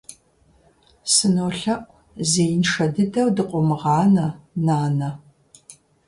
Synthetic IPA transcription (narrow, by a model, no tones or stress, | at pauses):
sɨnoːɬɐʔʷʼ | zeːjnʂɐdɨdɐwdɨqʷʼɔmɨʁɑːnɐnaːnɐ